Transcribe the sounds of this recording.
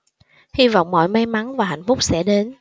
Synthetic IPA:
hi˧va̰˧˨wŋ͡mmɔ̰˧˨jma˧jma˨˦ŋvaː˨˩ɦa̰˧˨jŋ̟fʊ˦˥k͡p̚sɛ̰˧˥ɗe˨˦n

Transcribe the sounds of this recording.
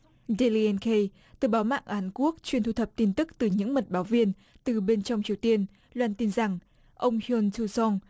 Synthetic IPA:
ze˧li˧ɛ˧nke˧j | t̪ɨ˨˩ɓaː˨˦wma̰ː˧˨ŋʔaː˨˦nku˦˥ək̚t͡ɕwi˧ənt̪u˧t̪ʰə˨˩p̚t̪i˧nt̪ɨ˦˥k̚t̪ɨ˨˩ɲɨ̰˧˥ŋmə˨˩t̚ɓaː˨˦wvi˧ən | t̪ɨ˨˩ɓe˧nt͡ɕɔ˧wŋ͡mt͡ɕi˨˩əwt̪i˧ən | lwaː˧˩nt̪i˧nza˨˩ŋ | ʔə˧wŋ͡mhə˧nt̪ʰu˧sɔ˧ŋ

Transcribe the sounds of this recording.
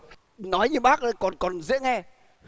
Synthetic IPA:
nɔ˨˦jɲɨ˧ɓaː˦˥k̚ʔə˨˦jkɔ˨˩nkɔ˨˩nzḭ˧˥ənɛ˧

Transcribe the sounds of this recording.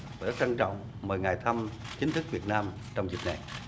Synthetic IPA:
vaː˨˩zə˦˥t̚a˧ŋt͡ɕɔ̰˧˨wŋ͡m | məː˨˩jŋaː˨˩jt̪ʰə˧m | t͡ɕi˨˦ŋ̟t̪ʰɨ˦˥k̚vi˨˩ət̚naː˧m | t͡ɕɔ˧wŋ͡mzi˨˩k̚na˨˩j

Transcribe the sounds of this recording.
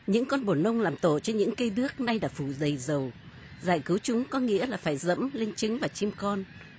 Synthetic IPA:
ɲɨ̰˧˥ŋkɔ˧nɓo˧˩nə˧wŋ͡mlaː˨˩mt̪o˧˩t͡ɕɔ˧ɲɨ̰˧˥ŋkə˧jɗɨ˦˥ək̚na˧jɗaː˧˥fu˧˩zə˨˩jzə˨˩w | zaː˧˩jkɨ˨˦wt͡ɕʊ˨˦ŋ͡mkɔ˨˦ŋḭ˧˥əlaː˨˩faː˧˩jzə̰˧˥mle˧nt͡ɕɨ˨˦ŋvaː˨˩t͡ɕi˧mkɔ˧n

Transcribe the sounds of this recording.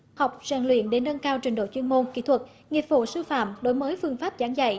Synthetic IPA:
ha˨˩wk͡p̚zaː˨˩ŋlwḭ˧˨ənɗe˨˦nːə˧nkaː˧wt͡ɕwï˨˩ŋɗo̰˧˩t͡ɕwi˧ənmo˧nkḭ˧˥t̪ʰwə˨˩t̚ | ŋi˨˩ət̚fo˧˩sɨ˧fa̰ː˧˨mɗo˨˦jməː˨˦jfɨ˧əŋfaː˦˥p̚zaː˨˦ŋza̰˧˨j

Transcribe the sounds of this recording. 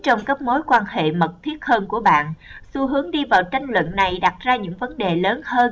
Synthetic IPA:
t͡ɕɔ˧wŋ͡mkə˦˥p̚mo˨˦jkwaː˧nhḛ˧˨mə˨˩t̚t̪ʰi˦˥ət̚həː˧nku˧˩əɓa̰ː˧˨nsu˧ɦɨ˨˦əŋɗi˧vaː˨˩wt͡ɕa˧jŋ̟lwə̰˧˨nːa˨˩jɗa˨˩t̚zaː˧ɲɨ̰˧˥ŋvə˨˦nɗe˨˩ləː˨˦nhəː˧n

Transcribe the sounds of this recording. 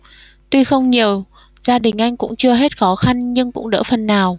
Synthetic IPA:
t̪wi˧xə˧wŋ͡mɲi˨˩əw | zaː˧ɗï˨˩ŋ̟ʔa˧jŋ̟kʊ̰˧˥ŋ͡mt͡ɕɨ˧əɦe˦˥t̚xɔ˨˦xa˧nɲɨ˧ŋkʊ̰˧˥ŋ͡mɗə̰ː˧˥fə˨˩nːaː˨˩w

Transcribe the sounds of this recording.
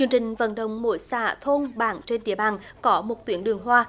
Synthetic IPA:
ɨ˧əŋt͡ɕï˨˩ŋ̟və̰˧˥nɗə˧˨wŋ͡mmo̰˧˦jsa̰ː˧˩t̪ʰo˧nɓaː˧˩ŋt͡ɕe˧nɗḭ˧˩əɓaː˨˩nkɔ˨˦mo˨˩t̚t̪wi˨˦ənɗɨ˨˩əŋɦwaː˧

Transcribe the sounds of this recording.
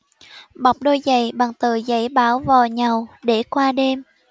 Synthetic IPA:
ɓa˨˩wk͡p̚ɗo˧jza̰˧˨jɓa̰ː˨˩ŋt̪ɨ˨˩za˧˩jɓaː˨˦wvaː˨˩wɲa˨˩wɗe˧˩kwaː˧ɗe˧m

